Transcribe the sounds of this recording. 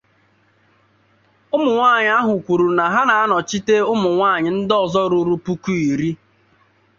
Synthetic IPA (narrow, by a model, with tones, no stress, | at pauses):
ʊ˦mʊ˨ŋʷaː˦˨ɲɪ˦a˦ɦʊ˨kʷu˨ɾu˨na˨ɦa˦na˨a˦nɔ˨t͡ʃi˦te˦ʊ˦mʊ˨ŋʷaː˦˨ɲɪ˨n̩˦dɔ˨zɔ˦ɾʊ˦ɾu˦pu˦ku˦i˨ɾi˦